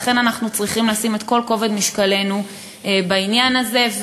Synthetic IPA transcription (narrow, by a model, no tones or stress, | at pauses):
χe̞nanaχnut͡sʁiχimleasime̞t̪ko̞lko̞ved̪miʃkale̞nu | bainjanaze̞v